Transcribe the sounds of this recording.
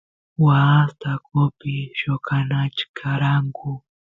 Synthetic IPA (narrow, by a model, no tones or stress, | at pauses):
wast̪akʊpɪʃokanat͡ʃkʰaɾaŋkʊ